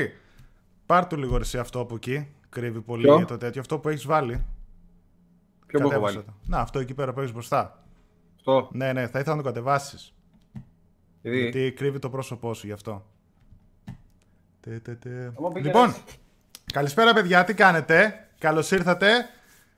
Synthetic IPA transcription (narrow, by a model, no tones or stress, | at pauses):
pɐɾt̪uliɣoɾisiɐft̪oɐpoci | kɾivipo̞liɐt̪ot̪et̪çoɐft̪o̞pue̞çizvɐli | pokɐt̪esɐt̪eneɐft̪o̞e̞cipe̞ɾɐpue̞çizbɾo̞st̪ɐ | t̪one̞ne̞θɐiθelɐnt̪okɐt̪e̞vɐsi̥s | ʝɐt̪ikɾivit̪o̞pɾo̞so̞po̞suʝɐft̪o̞ | t̪et̪et̪elipo̞n | kɐlispe̞ɾɐpe̞ðʝɐt̪ikɐne̞t̪e̞ | kɐlo̞siɾθɐt̪e̞